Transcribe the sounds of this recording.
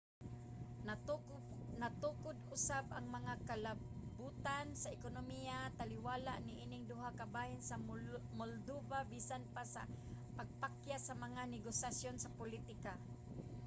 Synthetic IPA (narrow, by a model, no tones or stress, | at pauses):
nat̪uːkʊd̪ʊsabaŋmɐŋakalabuːt̪ansaɪkonomijat̪alɪwaːlaʔnɪʔiːnɪŋd̪ʊɦakabaːhɪnsamold̪ubabisanpasa̰paɡ̚pakjasamaŋanɛɡosjasjonsapʊlit̪ɪka